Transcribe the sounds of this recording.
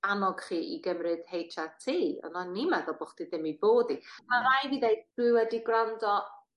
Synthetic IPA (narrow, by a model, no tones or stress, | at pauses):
anɔɡ̥χiːʔḭɡəmrɨd̥hejtʰatʰiːɔ̰nɔnimaðɔbɔχd̥iðɪmiboːdimaɾajviðejdd̥ɨwɛdiɡrandɔ